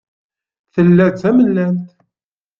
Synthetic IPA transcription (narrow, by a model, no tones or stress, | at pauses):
θəlːæt͡sæməlːænt̪